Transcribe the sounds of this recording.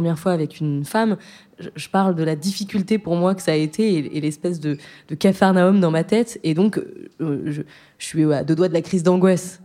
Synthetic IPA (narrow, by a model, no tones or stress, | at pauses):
əmjɛʁfwaːvɛkʲynfam | ʒəʒəpaʁld̪əlad̪ifikʲylt̪epuʁmwakə̥saːet̪ʰeeelɛspɛsd̪əd̪̥əkafaʁnaɔmd̪ɑ̃mat̪ɛt̪ed̪ɔ̃k | ʒə | əʃɥiad̪ød̪wad̪əlakχizd̪ɑ̃ɡwas